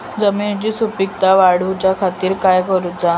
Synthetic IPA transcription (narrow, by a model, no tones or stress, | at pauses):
d͡zəmiːnt͡ɕiːsupik̚t̪aʋaɽ̤ut͡ɕjakʰat̪iːɾkajkəɾud͡za